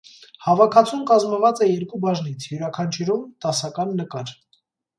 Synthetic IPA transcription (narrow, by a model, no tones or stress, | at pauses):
hɑvɑkʰɑt͡sʰumkɑzməvɑt͡sɛjɛɾkubɑʒnit͡sʰjuɾɑkʰɑnt͡ʃʰuɾumt̪ɑsɑkɑnːəkɑɾ